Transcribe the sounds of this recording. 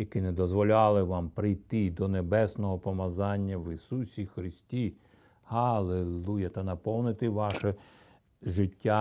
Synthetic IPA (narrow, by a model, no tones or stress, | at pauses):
jɐkɪnɛd̪ɔzʋɔlʲɑlˠɪʋɑmpɾɪjt̪ɪd̪ɔnebɛsnɔɦɔpɔmɐzɑnʲːɐʋisusʲixɾɪsʲtʲi | hɐlˠelˠujɐt̪ɐnɐpɔwnɪt̪ɪʋɑʃɛ | ʒɪtʲːa